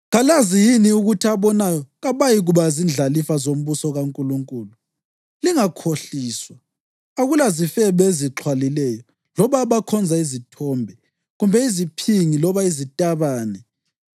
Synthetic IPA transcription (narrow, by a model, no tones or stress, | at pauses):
ɣalazijiniuɣutʰiaβɔnajɔɣaβajiɣuβazind͡ɮʱalifazom̩βusɔɣaŋkʼuluŋkʼuːlu | liŋakʰoɬiːswaː | ɣulazifɛβɛeziǁʰwalilɛjɔ | lɔβaβakʰɔnd͡zʱaizitʰɔmbʱɛ | ɣumbʱɛizipʰiŋilɔβaizitʼaβaːnɛ